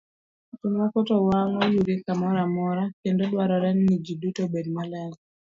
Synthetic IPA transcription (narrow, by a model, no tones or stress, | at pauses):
tunwakɔtɔwaŋɔjuɾikamɔɾamɔɾakendodwaɾɔɾɛnnid͡ʒidutobed̚malɛŋ